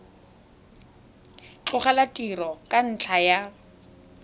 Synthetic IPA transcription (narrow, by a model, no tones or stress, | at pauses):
t͡ɬʊχalatʼirɔkʼan̩t͡ɬʰaja